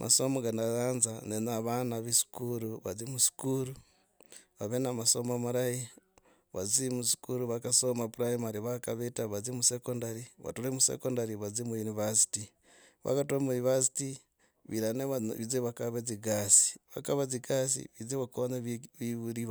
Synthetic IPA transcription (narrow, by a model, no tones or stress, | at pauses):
mʔa̰somoɡanaɣaːnzanenaβanaβisu̥kuɾuβazimusi̥kuɾu | βaβenamasomamaɾaji | βazimusi̥kuɾuβakasomapuɾaimaɾiβakaβetaβazimusekondaɾiβa̰tuɾemusḛkondaɾiβazimujunivasi̥ti | βa̰katuamunivasi̥ti | βiɾaneβizeβakaβeziɡasi̥βa̰kaβaziɡasḭβizeβakoβɲeβiβuɾiβ